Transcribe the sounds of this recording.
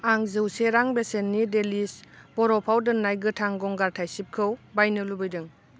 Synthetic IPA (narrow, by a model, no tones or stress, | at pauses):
aŋzɯwseɾaŋbesenːidelisb̥ɔɾɔpʰawdɯnːajɡɯtʰaŋɡɔŋɡaɾtʰajsip̚kʰɯwbajnɯlubɯjdɯŋ